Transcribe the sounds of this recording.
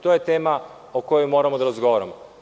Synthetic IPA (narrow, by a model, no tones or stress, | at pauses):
t̪o̞ːje̞t̪e̞ːma | oko̞jojmo̞ːɾamod̪aɾazɡo̞ʋaɾamo